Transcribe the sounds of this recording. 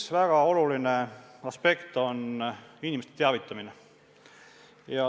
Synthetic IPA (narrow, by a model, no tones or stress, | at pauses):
svæɡ̥ɑo̞luline̞ɑspe̞kt̪o̞ninʲimest̪et̪eɑvit̪ːˑɑmine | jɑ